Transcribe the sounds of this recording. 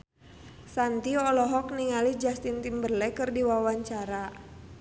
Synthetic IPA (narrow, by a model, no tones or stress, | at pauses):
sant̪iɔlɔɦɔk̚niŋalid͡ʒast̪int̪imbərlɛkɨrdiwawaɲt͡ʃaɾa